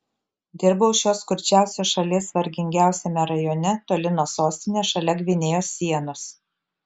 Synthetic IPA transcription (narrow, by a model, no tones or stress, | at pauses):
d̪ʲɪɾboːʊʃʲoːskʊɾʲt͡ʃʲæˑʊsʲoːʃɐlʲesʋɐɾʲɡʲɪŋʲɡʲæˑʊsʲemʲɛɾɐjoːnʲɛt̪oːlʲɪnoːsoːsʲt̪ʲɪnʲeːʃɐlʲɛɡʋʲɪnʲeːjoːsʲiɛnʊs